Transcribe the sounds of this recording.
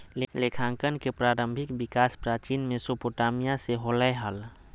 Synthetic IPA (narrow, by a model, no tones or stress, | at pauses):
lelekʰãŋkənkepɾaːɾə̃mbʱɪkbɪkaːspɾaːt͡ʃinmẽsopoʈaːmijaseɦoləjɦəl